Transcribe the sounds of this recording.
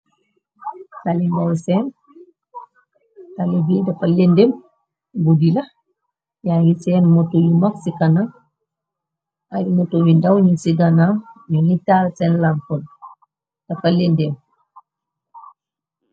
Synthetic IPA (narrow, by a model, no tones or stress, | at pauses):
talindawsɛn | talibidafalendem | budilɐ | jaɡisɛnmotojimaksikana | aɾimotowindawɲusiɡanaɲuŋitalsɛnlampɔn | d̥ɐfalendem